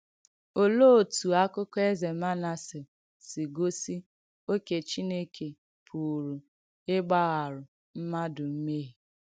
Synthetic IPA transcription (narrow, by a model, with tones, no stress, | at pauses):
o˨lo˦˨tu˨a˦kʊ˦kɔ˦e˦ze˨ma˦na˦sɪ˨ | sɪ˨ɡo˦si˦ | o˦ke˨t͡ʃi˦ne˦kʰe˨ | pʰu˨ɾu˨ | ɪ˦ɡ͡ba˦ɣa˨ɾʊ˨ | m̩˦ma˦dʊ˨m̩˦me˦ɦe˨